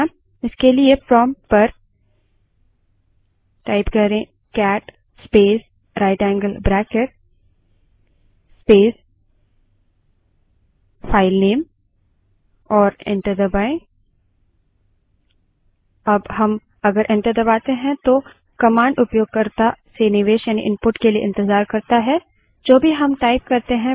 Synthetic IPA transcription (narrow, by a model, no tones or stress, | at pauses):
ɪskeliepɾɔːmpɐɾ | ʈaːɪpkɐɾẽ | kɛːʈ | speːs | ɾaːɪʈɛ̃ːŋɡəlbɾɛːkeɾ | speːs | fʰaːɪlneːm | ɔːɾḛ̃ɳʈəɾd̪əbaːɪ̃ | ɐbɦɐm | ɐɡəɾʔẽɳʈəɾd̪ɐbaːt̪eɦɛ̃t̪o | kɐmãːɳɖʊpjoːɡ̚kɐɾt̪asenɪʋeːʃjaːnḭʔɪ̃npʊʈkeliḛʔɪ̃nt̪ɪzaːɾkɐɾt̪aɦɛ | d͡ʒoːbʱiɦɐmʈaːɪp̚kɐɾt̪eɦɛ̃